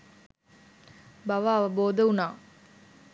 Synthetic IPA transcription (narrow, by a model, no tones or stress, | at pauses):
baʋaːʋəboːd̪əunaː